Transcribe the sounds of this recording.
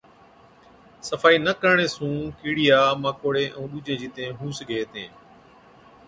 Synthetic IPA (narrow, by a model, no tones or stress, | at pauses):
səfaːiːnəkəɳeːsũːkiːɽɪjaːmãːkoːɽeːʔũːɗuːd͡ʒẽːd͡ʒiːt̪ẽːɦũːsɡʱeːt̪ḛ̃ː